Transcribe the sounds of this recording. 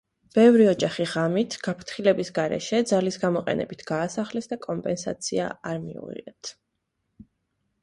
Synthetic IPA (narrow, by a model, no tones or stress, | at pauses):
b̥ɛvɾiɔd͡ʒaχiʁamit̪ʰɡ̥apʰɾt̪χilɛbisɡaɾɛ̰ʃɛd̪zalisɡamɔqʼɛ̰nɛ̰bit̪ʰɡ̥aːsaχlɛsd̪akʼɔmpʼɛnsa̰t̪sʰia̰aɾmiṵʁḭɛt̪ʰ